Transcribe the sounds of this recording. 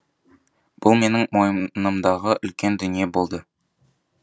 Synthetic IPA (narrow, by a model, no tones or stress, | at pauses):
b̥ʊlˠme̞nɪŋmo̞jəmnəmd̪ɑʁəʔʏlkʲe̞nd̪ʏnijebo̞lˠd̪ə